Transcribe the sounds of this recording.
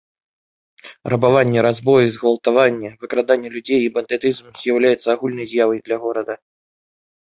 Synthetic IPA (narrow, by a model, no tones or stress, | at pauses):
rɐbavanʲːɛɾazbɔjuzɣvɐlˠt̪avanʲːɛvɨkɾad̪anʲːɛlʲud͡zʲejibɐnd̪ɛt̪ɨzmz̥ʲjawlʲajɛt̪sːɐːɣulʲnɐjzʲjavɐjd̪lʲɐɣɔɾɐd̪ɐ